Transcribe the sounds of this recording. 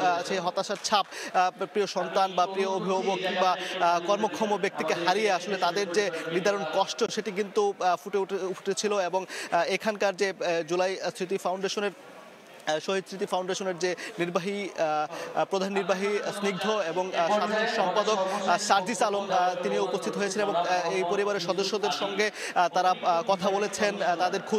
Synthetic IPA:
ʃeɦɔt̪aʃaɾt͡ɕʰap̚pɾioʃɔnt̪anbapɾioobʱibobokkiŋbakɔɾmokʰɔmobek̚t̪ikeɦaɾieaʃolet̪ad̪eɾd͡ʑeniɾd̪ʱaɾonkɔʃʈoʃeʈik̬int̪ufuʈeuuʈʰet͡ɕʰiloeboŋekʰankaɾd͡ʑed͡ʑulajsɾit̪̬ifawɳɖeʃoneɾ | ʃoɦid̪sɾit̪̬ifawɳɖeʃoneɾd͡ʑeniɾbaɦi | pɾod̪ʱanːiɾbaɦisniɡ̚d̪ʱoeboŋʃad̪ʱanikʃɔmpad̪oksaɾd͡ʑisalomt̪inioupost̪ʰit̪oɦojet͡ɕʰeneboŋejpoɾibaɾeʃɔd̪oʃːod̪eɾʃɔŋɡet̪aɾakɔt̪ʰabolet͡ɕʰent̪ad̪eɾkʰu

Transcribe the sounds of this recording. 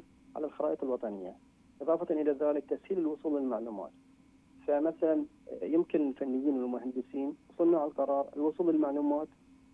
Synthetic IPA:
ʕa̰lalxɑɾˤɑːʔəq̪ɪlwɑt̪ˤɑnɪjːa̰ | ʔɨðˤɑːfɑt̪ˤɑnʔɪlaðaːlɪk̚t̪ashiːlɪlwʊsˤuːlːɪlmaʕluːma̰ːt̪ | famaθalanjɪmkɪnɪlfanːɪjːiːnwɪlmʊhand̪ɪsiːnwsˤʊnːuʕalalqɑɾˤɑːɾˤɪ̰lwʊsˤuːlɪlmaʕluːmaːt̪

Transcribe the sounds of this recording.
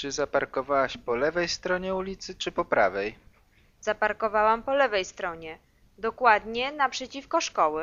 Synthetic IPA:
t͡ʂɘzapaɾkɔvawaɕpɔlɛvɛjst̪ɾɔɲɛulʲit̪sɘt͡ʂɘpɔpɾavɛj | z̥apaɾkɔvawampɔlɛvɛjst̪ɾɔɲɛ | d̪ɔkwad̪ɲɛnapʂɛt͡ɕifkɔʂkɔwɘ

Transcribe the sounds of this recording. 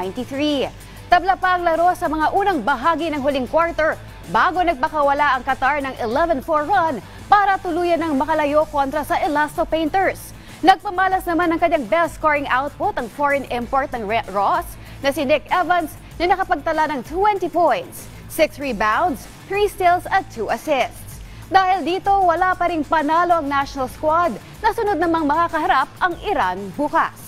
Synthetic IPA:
nt̪iθɹi | t̪ɐblɐpɐʔɐŋlɐɾo̞sɐmɐŋaʔuːnɐŋbɐɦaːɡinɐŋɦʊliŋkwaɹt̪ɛɹ | baːɡo̞nɐɡ̚pɐkɐwɐlaʔɐŋkɐt̪aɹnɐŋʔɪlɛvɛnfoɹwɐn | paːɾɐt̪ʊluːjɐnɐŋmɐkɐlɐjo̞ko̞nt̪ɾɐsɐʔɛlast̪opɛjnt̪ɛɹs | nɐɡ̚pɐmaːlɐsnɐmanɐŋkɐɲːaŋbɛlskoɹɪŋʔawt̪̚pʊt̪ɐŋfɔɹɛnʔɪmpoɹt̪̚nɐŋɹos | nɐsɪnɪkɛvɐns | nɐnɐkɐpɐɡ̚t̪ɐlanɐŋt̪wɛnt̪ipojnt̪s | sɪksɹibawnd̪s | θɹiːst̪ɪlsɐt̪̚t̪ʰːuːʔɐsɪst̪s | d̪aːhɪld̪iːt̪o̞wɐlapɐɾɪŋpɐnaːlo̞ʔɐŋnaʃonɐlskwad̪ | nɐsʊnod̪̚nɐmaŋmɐkakɐhɐɾap̚ʔɐŋʔɪɾanbukɐ̰s

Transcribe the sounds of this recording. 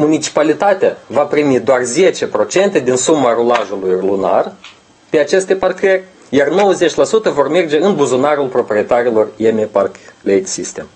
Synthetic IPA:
munit͡ʃi̥palit̪at̪eavapɾimid̪oarze̞t͡ʃe̞pɾo̞t͡ʃe̞nt̪e̞d̪insumaɾolaʒulujluna̰r | pe̞at͡ʃe̞st̪e̞parkɾerʲ | jarno̞wəze̞t͡ʃʲlasut̪əvo̞rme̞rd͡ʒe̞ɨnbuzunaɾulpɾo̞pɾie̞t̪aɾilo̞remeparklejd̪sist̪e̞m

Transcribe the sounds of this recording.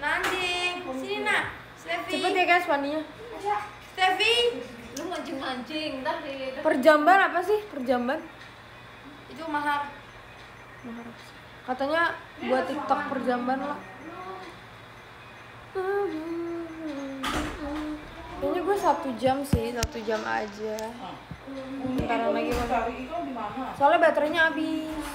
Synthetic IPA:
naɲd͡ʒɪŋina | t̪efit͡ʃəpət̪jakajasuwaniɲa | st̪efi | lʊŋaɲd͡ʒɪnaɲd͡ʒɪŋt̪apərd͡ʒambanapasɪhpərd͡ʒamban | it̪umaɦar | maɦaɾ | kat̪aɲa | buat̪ːit̪ək̚pərd͡ʒambanlah | kaɲaɡuasat̪ud͡ʒamsɪhsat̪ud͡ʒama̰d͡ʒa | taɾalaɡima | aasoalabat̪ɾaɲaːbi

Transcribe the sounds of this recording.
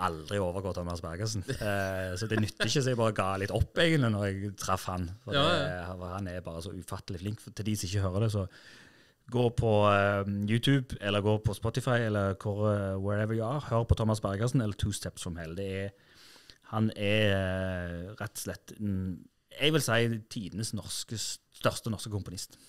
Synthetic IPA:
ɑld̪ɾɪoːʋəɾɡoːt̪ʰɔmːɑsbæɾɡəsn̩sɔd̪ɛnʏt̪ːɪçːəs̬ɛɪɡbɑːɾəɡɑːlɪt̪ːɔpːæɪɡənt̪lɪnɔɾɛɡt̪ʰɾɑfhɑnfɔ | hɑnɛɾbɑːɾəsɔʉfɑt̪ːəlɪflɪŋkfɔt̪ʰɪld̪isɔɪçːəhøːɾəd̪ɛs̬ɔ | ɡoːpʰɔ | jʉːt̪ʰʉːbɛlːəɾɡoːpʰɔspɔt̪ɪfɑɪɛlːəɾkʰʊɾwɛɾɛʋəɾjʊæːɾhøːɾəpʰɔt̪ʰɔmːɑsbæʁɡəsnɛlːəɾt̪ʰuːst̪ʰɛpssɔmhɛːləd̪ɛɛ | hɑnɛ | ɾɛt̪ːslɛt̪ːn | ɛɡʋɪlsæɪt̪ʰiːd̪ənəsnɔʁskə | st̪œʁst̪ənɔʁskəkʰʊmpʊnɪst̪

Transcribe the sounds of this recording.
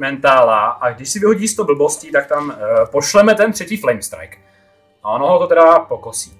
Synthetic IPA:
mɛnt̪aːlaʔaɡdɪʃsɪvɪɦoɟiːst̪owbl̩bo̞scit̪ak̚t̪ampoʃlɛmɛt̪ɛnt̪r̝ɛciːflɛjmst̪ɾa̰jk | ʔaonoɦot̪ot̪ɛɾapokosiː

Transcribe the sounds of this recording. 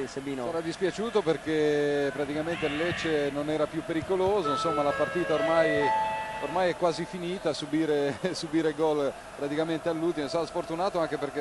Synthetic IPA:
sebiːnoɛɾad̪ispjat͡ʃuːt̪operkepɾat̪ikament̪ellet͡ʃːenonɛːɾapjupːeɾikoloːzoinsomːalapart̪iːt̪aormajormajɛkːwaːzifiniːt̪asubiːɾesubiːɾeɡɔl | pɾat̪ikament̪ealːult̪imosaɾasfort̪unaːt̪oaŋk̟eperke

